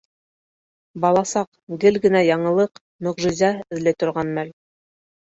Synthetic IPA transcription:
bɑlˠɑsɑq | ɡɘlɡɘ̆næjɑɴɤ̆lˠɤq | mɵ̆ʁʒɘ̆zæɵ̆ðlɘt̪ŏɾʁɑnmæl

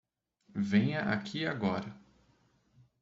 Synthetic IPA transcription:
vẽjɐʔa̰kʰiaɡɔɾɐ

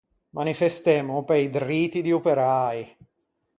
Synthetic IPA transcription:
manifest̪emʊpejd̪riːt̪id̪iupeɾaːj

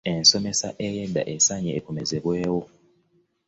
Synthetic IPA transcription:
ensomesa̰ʔejedːa̰ʔesaɲeʔːkomezeβweːwo

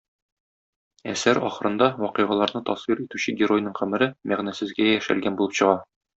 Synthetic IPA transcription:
æsæɾɒ̰χɤ̆ɾɤ̆nd̪ɑwɒqɤʁɑlˠɑɾnɤt̪ɒsfiɾit̪ʉɕɘɡʲɪɾo̞jnɤɴqɘ̆mɘ̆ɾɘmæʁnæsɘ̆zɡæjæʃæ̰lɡænbulˠɤpɕɤ̆ʁɑ

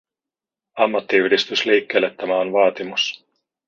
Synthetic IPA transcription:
ɑmːɑt̪ːiyhdist̪ysliːkːe̞ːlːet̪ːæmæonʋɑːt̪imus

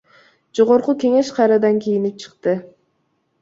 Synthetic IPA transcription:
d͡ʒo̞ʁo̞ɾqukʲe̞ŋe̞ʃqʰɑɾɑd̪ɑŋkʲʰijinip̚t͡ʃʰɯ̥qt̪ɯ

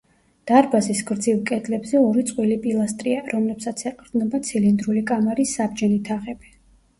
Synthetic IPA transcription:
d̪̥aɾbazisɡɾd̪zivˠkʼɛd̪lɛbzɛɔɾit̪sʼqʼwilipʼilˠast̪ʼɾiaɾɔmlɛpsat̪sʰɛqʼɾd̪nɛbat̪sʰilind̪ɾulikʼamaɾisːabd͡ʒɛnit̪ʰaʁɛbi

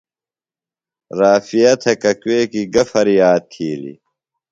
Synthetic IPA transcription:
ɾaːfijɐt̪ʰekɐkweːkiɡɐfɐɾijaːt̪̚kʰiːlḭ

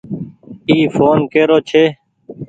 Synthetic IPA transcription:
iːfʰoːnkeːɾoːt͡ʃʰeː

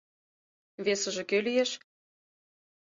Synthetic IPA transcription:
βesə̆ʒĕkølijeʃ

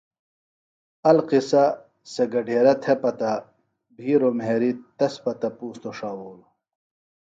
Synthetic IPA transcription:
ɐlqisɐ | seɡɐɖʱeːɾɐt̪ʰepɐt̪ɐ | bʱiːɾomɦeːɾit̪ɐspɐt̪ɐpuːst̪oʂaːwoːlo

